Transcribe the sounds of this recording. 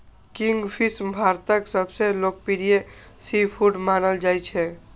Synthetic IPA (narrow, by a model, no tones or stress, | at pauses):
kiŋɡpʰismbʱaɾt̪əksəbʱselok̚piɾije | sipʰuɖmanəld͡ʒajt͡ʃʰɛ